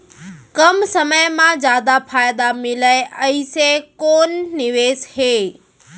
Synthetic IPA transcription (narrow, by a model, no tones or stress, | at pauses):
kɐmsəməjmãzjaːd̪apʰaːjd̪amɪləɪʔəɪsekoːnːɪʋeːsheː